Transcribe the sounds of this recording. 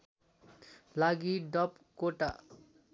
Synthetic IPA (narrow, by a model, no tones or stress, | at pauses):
laɡiɖʌp | koʈa̰